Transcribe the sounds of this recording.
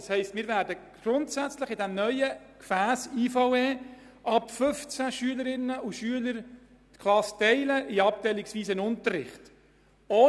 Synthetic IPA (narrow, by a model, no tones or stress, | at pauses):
shɛɪstmɪːɾvæːɾdəɡ̥ɾʊntsæt͡sləχɪdæmnœʏə | kfæːsiːfɑweː | ʔɑpfɵft͡sæʃyələɾɪnːəuʃyələɾ | t̪kʰlɑstɛɪləʔɪɑp̚tɛɪlɪksviːsənʊntərːɪ̰χt | oː